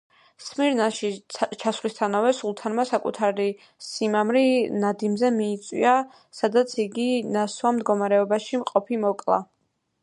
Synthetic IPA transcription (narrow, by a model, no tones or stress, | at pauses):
smiɾnaʃit͡ʃʰasvlist̪ʰanavɛsulˠt̪ʰanmasakʼṵt̪ʰaɾi | simamɾinad̪imzɛmiːt̪sʼwḭa | sad̪at̪sʰiɡinaswamd̪ɡɔmaɾɛɔbaʃimqʼɔpʰimɔkʼlˠa̰